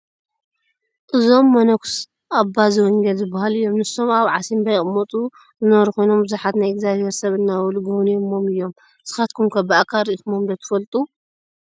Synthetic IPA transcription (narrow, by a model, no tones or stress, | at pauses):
ʔɨzo̞mːɐnɐkʰs | ʔabːaziwɐŋɡɐlzɨbːahalɨjːo̞mnɨso̞maβʕasimbɐjʼɨmːot̪ʼu | zɨnɐβɐɾukʰo̞jno̞mbɨzuħat̪najɪɡzaβheɾsɐβɨnːawluɡownijomːomɨjːo̞m | sɨ̥xat̪kʰumkʰɐbɨakʰaɾitmomd̪ɐt̪ʰɨ̥fɐlt̪ʼu